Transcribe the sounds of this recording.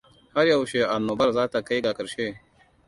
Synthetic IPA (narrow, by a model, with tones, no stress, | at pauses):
ha˦ɾjɐ˨wʃe˨ʔa˨nːoː˨bɐ˦ɾzaː˦ta˨ka˦jɡaː˨kɐ˨ɾʃe˦˨